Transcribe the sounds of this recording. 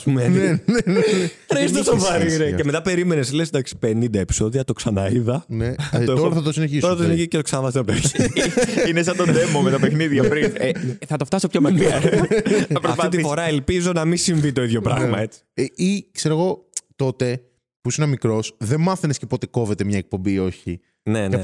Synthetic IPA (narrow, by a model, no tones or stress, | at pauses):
ɐspumenn | ɾst̪osovɐɾiɾeceme̞t̪ɐpe̞ɾimeneslesnd̪ɐksi̥penind̪ɐepi̥so̞ðiɐt̪oksɐnɐiðɐnetotoɾɐθɐt̪osineçisoɾɐt̪osineçicet̪oksɐnɐvɐsɐpt̪o | inesɐt̪od̪emomet̪ɐpexniðʝɐpɾineθɐt̪oft̪ɐsopçomɐkɾi | pɾoɐftit̪ifo̞ɾɐelpizo̞nɐmisiɱvit̪o̞iðʝo̞pɾɐɣmmɐet͡si̥ikseɾoɣo̞t̪o̞t̪e̞ | pusinɐmikɾo̞sðemmɐθenescepo̞t̪e̞ko̞ve̞t̪emɲɐek̚po̞mbio̞çi | nenɐ